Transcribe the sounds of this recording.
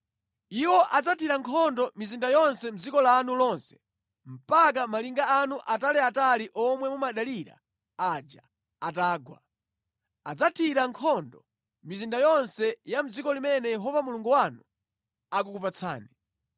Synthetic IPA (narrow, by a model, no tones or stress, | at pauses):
iwɔʔad͡zatʰiɾaŋkʰɔndɔmizindajɔnsɛm̩d͡zikɔlaːnulɔnsɛ̥ | m̩pak̬amaliŋɡaanuʔatalɛataliʔɔmwɛmumaɗaliɾa̰ | ad͡ʒa | ataːɡwa̰ | ad͡zatʰiɾaŋkʰɔndɔ | mizindajɔnsɛjam̩d͡zikɔlimɛnɛjɛɦɔvamuluŋɡuwanu | akukupat͡sʰa̰ːni